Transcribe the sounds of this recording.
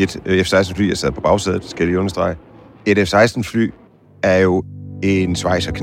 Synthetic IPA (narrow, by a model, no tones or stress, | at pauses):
e̝d̥efsɑ̈ɪsd̥n̩fly̰ːjɑɐsɛð̰ˠpʰɒ̽b̥ɑ̈ʊsɛð̩ˠsɡ̥æliɔ̽nɐsd̥ʁɑ̈ɪ | e̝d̥efsɑ̈ɪsd̥n̩fly̰ː | æɐjo̝e̝nsʋɑ̈ɪ̰sɐkʰ